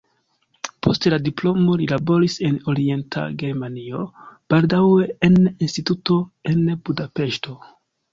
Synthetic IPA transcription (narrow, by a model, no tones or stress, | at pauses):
pʰo̞stladiplo̞mo̞lilabo̞ɾise̞no̞ɾie̞ntʰa̰ɡe̞ɾmanio̞b̥aldawe̞eninstituto̞e̞nbudape̞ʃto̞